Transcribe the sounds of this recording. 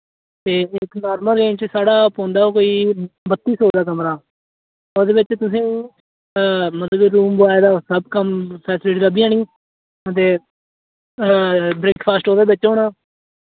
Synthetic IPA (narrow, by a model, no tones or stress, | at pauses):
t̪eːɪknaːɾməlːẽːt͡ʃsaːɽaːpõːnd̪aːoːkoːiːbət̪ːiːsoːd̪aːkəmɾaː | od̪eːbɪt͡ʃt̪ʊsĩː | mət̪ləbɾuːmbʊaːed̪aːsəbkəmpɛːsɪleːʈiːɾəbiːãːñĩː | ət̪̬eː | bɾeːkpʰaːsʈoːd̪eːbɪt͡ʃːɦoːnaː